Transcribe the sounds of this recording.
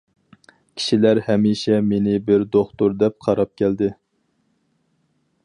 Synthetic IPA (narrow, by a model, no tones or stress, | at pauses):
kʲʰi̥ʃilæɾhɛmiʃɛmenɪbɪɾd̪oχt̪uɾd̪ɛp̚qʰɑɾɑp̚kʲʰæld̪ɪ